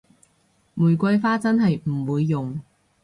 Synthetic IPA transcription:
muː˨˩jkʷɐ˧jfaː˥t͡sɐ˥nɦɐ˨jm̩˨˩wuː˨˧jːʊ˨ŋ

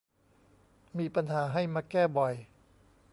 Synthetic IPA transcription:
miː˧pa˧nhaː˩˦ɦa˥˩jmaː˧kɛː˥˩bɔ˨˩j

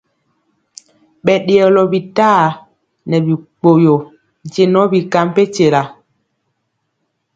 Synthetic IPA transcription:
ɓɛ˨ɗe˨ɔ˨lɔ˨bi˨taː˦˨ | nɛ˨bi˨k͡po˨jo˨ | n˨d͡ʒe˦nɔ˦bi˨ka˨˦mpe˦t͡ʃe˨la˨

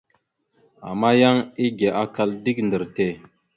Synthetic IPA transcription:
a̰˨ma˦ja˦ŋi˦ɡe˨ʔa˨ka˦ldi˦k̚ndə˨ɾte˨

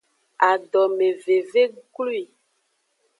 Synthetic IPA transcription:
a˨ɖɔ˨me˨ve˨ve˦ɡlu˦i˨

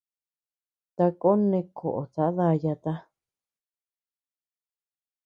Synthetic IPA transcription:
t̪a˧ko˦nẽ˧kʰo˨ʔo˨t͡sa˨˦ða˧ja˧t̪a˦

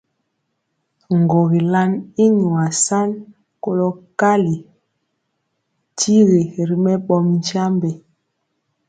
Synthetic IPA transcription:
ŋ˨ɡo˨ɣi˨la˦ni˦ɲu˨a˨sa˦n | ko˦˨lɔ˦ka˦li˨ | tʰi˦ɣi˨ɾi˨mɛ˦ɓɔ˨mɲ˦d͡ʒa˦mbɛ˨

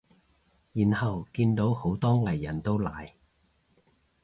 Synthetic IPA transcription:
jiː˨˩nhɐ˨wkiː˧nt̪o˨˥who˨˥wt̪ɔː˥ŋlɐ˨˩jːɐ˨˩nt̪o˥wlaː˨˩j

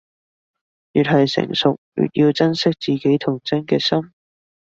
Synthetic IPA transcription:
jyː˨t̚hɐ˨jsɪ̰˨˩ŋsʊ˨k̚jy̰˨t̚jiː˧wt͡sɐ˥nsɪ˥k̚t͡siː˨˩ke˨˥jt̪ʰʊ˨˩ŋt͡sɐ˥nkɛː˧sɐ˥m

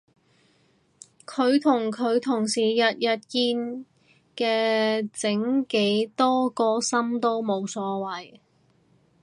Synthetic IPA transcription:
kʰɵ˨˧ɥt̪ʰʊ˨˩ŋkʰɵ˨˧ɥt̪ʰʊ˨˩ŋsiː˨˩jɐ˨t̚jɐ˨t̚kiː˧n | kɛː˧t͡sɪ˨˥ŋke˨˥jt̪ɔː˥kɔː˧sɐ˥mt̪o˥wmo˨˧wsɔː˨˥wɐ˨˩j

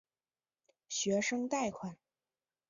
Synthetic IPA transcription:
ɕɥɛ˧˥ʂɤ˥ŋt̪a˥˩ɪkʰwa˨˩n

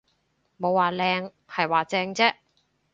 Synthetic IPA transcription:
mo˨˧wːaː˨lɛː˧ŋ | hɐ˨jwaː˨˩t͡sɛː˧ŋt͡sɛː˥ʔ

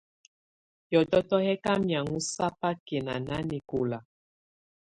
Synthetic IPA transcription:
jɔ˨tɔ˦tɔ˦hɛ˦ka˦mja˨ŋu˦sa˦pa˦ke˨na˨na˦ni˨ko˨la˨

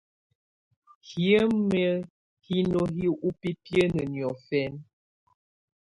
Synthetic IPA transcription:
hjə˦mə˦ | hi˦no˦ɦi˦ʔu˦pi˦pjə˦nə˨njɔ˨fɛ˦n

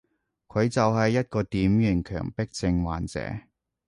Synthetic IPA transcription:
kʰɵ˨˧ɥt͡sɐ˨whɐ˨jːɐ˥t̚kɔː˧t̪iː˨˥mjyː˨˩nkʰœ̰ː˨˩ŋpɪ˥k̚t͡sɪ˧ŋwaː˨nt͡sɛ̰ː˨˥

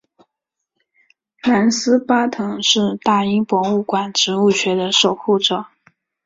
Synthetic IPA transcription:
la˧˥nsɹ̩˥pa˥t̪ʰɤ˧˥ŋʂɻ̩˥˧t̪a˥˩i˥ŋpwɔ˧˥ŋu˥˩kwa˨˩nʈ͡ʂɻ̩˧˥u˥˩ɕɥɛ˧˥d̪ə˧ʂo˨˩ʊxu˥˩ʈ͡ʂɤ˨˩˦

